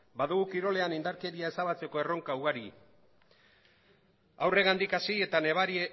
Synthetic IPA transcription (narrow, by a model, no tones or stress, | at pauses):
baðuɣukiɾo̞le̞anind̪aɾke̞ɾiae̞saβat͡se̞ko̞e̞ro̞ŋkauɣaɾi | awre̞ɣand̪ikasiet̪ane̞βaɾi